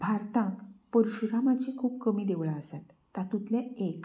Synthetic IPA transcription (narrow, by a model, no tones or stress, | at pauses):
bʱaɾt̪ãŋkpəɾuɕuɾamat͡ɕikʰuːb̚kəmiːd̪eʋɭaəsat̪ːat̪ũt̪lẽek